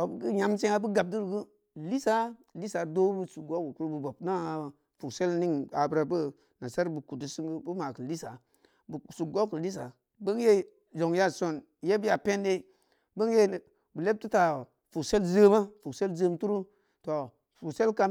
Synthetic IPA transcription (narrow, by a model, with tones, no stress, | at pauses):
to˨bɡɨ˦ɲa˨˦msẽ˦ŋa˦bə˦ɡa˨b̚du˦ɾɡu˦ | li˦sa˦ | li˦sa˨do˦bu˦su˨ɡo˦ku˨ku˦ɾbu˨bo˨p̚na˦a˨ | fu˨kse˦lni˦ŋa˨bɾa˨bə˦ | na˨sa˦ɾbə˨ku˨du˦sɨ˦ŋɡu˦bu˦ma˨kɨ˨li˦sa˨ | bsu˨ɡo˦ku˨li˦s̬a˨ | bə˦ŋje˦ | zo˨ŋja˦˨so˨n | je˦bi˦ja˨pe˦nde˦ | bə˦ŋje˦˨ | bə˨le˦p̚tu˦ta˨ | fu˨kse˦lzə˦ma˦fu˨kse˦lzə˦mtu˦ɾu˦ | to˨ | fu˨se˦lka˦